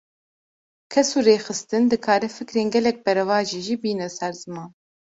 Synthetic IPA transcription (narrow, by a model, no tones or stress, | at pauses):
kʰɛsuːɾeːxɨst̪ɨnd̪ɨkʰaːɾɛfɨkɾeːnɡɛlɛk̚bɛɾɛvɑːʒiːʒiːbiːnɛsɛɾzɨmɑːn